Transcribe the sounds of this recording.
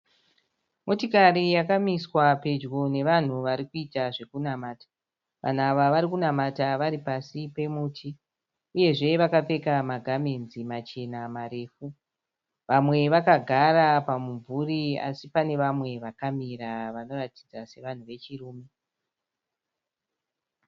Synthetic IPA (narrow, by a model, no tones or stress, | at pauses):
mo̞tikarijakamiswape̞d͡ʒɡo̞ne̞ʋan̤uʋaɾikuitaʐe̞kunamaːtḁ | ʋʔa̰n̤uaʋaʋaɾikunamataʋaɾipasipe̞muːtʰi | uje̞ʐe̞ʋakap͡fe̞kamaɡʱame̞nzimat͡ʃe̞namaɾe̞ːfu | ʋamwe̞ʋakaɡʱaɾapamuɱvuria̰sipane̞ʋamwe̞ʋakamiɾaʋano̞rati̥d͡zase̞ʋan̤uʋe̞t͡ʃiruːme